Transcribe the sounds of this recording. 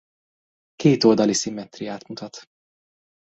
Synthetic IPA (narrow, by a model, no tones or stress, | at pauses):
keːt̪old̪ɒlisimːɛt̪rijaːt̪mut̪ɒt̪